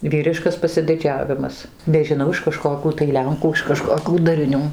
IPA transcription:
ˈʋʲiːrʲɪʃkɐs pɐsʲɪdʲɪˈd͡ʒʲæːʋʲɪmɐs nʲɛʒʲɪˈnɐʊ ɪʃ kɐˈʃkoːkʲuː tɐɪ ˈlʲɛŋkuː ɪʃ kɐˈʃkoːkʲuː dɐrʲɪˈnʲuː

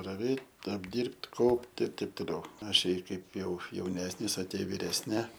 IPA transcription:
rɐˈʋʲeːtʲ ɐbʲˈdʲiːrʲpʲtʲ ˈkɐʊpʲtʲ ɪr ˈtʲɛɪp toːˈlʲɛʊ ˈɑːʃʲɛɪ ˈkɐɪp jɛʊ jɛʊˈnʲæːsʲnʲɪs ɐ ˈtʲiɛ ʋʲɪrʲɛsʲˈnʲɪ

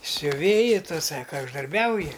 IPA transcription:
sʲʊˈʋʲeːjɪ ˈtʊ ˈsɑːkɐ ʊʒdɐrʲˈbʲɛʊjɪ

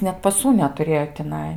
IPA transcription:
nʲɛt pɐˈsuː nʲɛtʊˈrʲeːjoː tʲɪˈnɐɪ

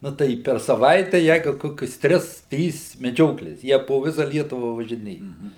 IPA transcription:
ˈnʊ tɐɪ pʲɛr sɐˈʋɐɪtʲæː ˈjɛɪɡʊ ˈkoːkʲʊs ˈtʲrʲɪs ˈtʲrʲiːs mʲɛˈd͡ʒʲoːklʲeːs ˈjiɛ poː ˈʋʲɪsɐ ˈlʲiɛtʊʋɐ ʋɐʒʲɪˈnʲeːjɛ

